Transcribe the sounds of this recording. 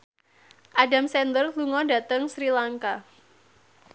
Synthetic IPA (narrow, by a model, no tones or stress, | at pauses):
ʔadamsɛnd̪ərluŋɔda̤t̪əŋsɾilaŋka